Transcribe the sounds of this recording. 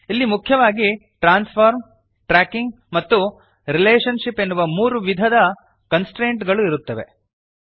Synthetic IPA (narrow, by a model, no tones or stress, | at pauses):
ilːimukʰjɐʋaːɡi | ʈɾaːnspʰaːɾm | ʈɾaːkiŋɡ | mɐt̪ːu | ɾileːʂɐnʂipːe̞nːuʋɐmuːɾuʋid̪ʱɐd̪ɐ | kɐnsʈɾeːɳʈɡɐɭuiɾut̪ːɐʋe̞̰